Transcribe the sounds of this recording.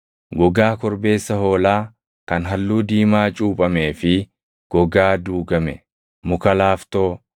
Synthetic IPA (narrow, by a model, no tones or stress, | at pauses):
ɡɔɡaːkɔɾbe̞ːsːɐɦo̞ːlaː | kɐnɦɐlːuːd̪iːmaːt͡ʃʼuːpʼɐme̞ːfɪ | ɡ̥ɔɡaːd̪uːɡɐmɛ̰ | mʊkɐlaːft̪o̞ː